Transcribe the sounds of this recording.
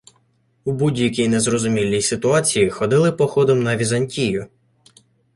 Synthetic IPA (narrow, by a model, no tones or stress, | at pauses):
ubudʲjɐkʲijnezrɔzʊmʲilʲːijsɪt̪ʊɑt͡sʲijixɔd̪ɪlˠɪpɔxɔd̪ɔmnɐʋʲizɐnʲtʲijʊ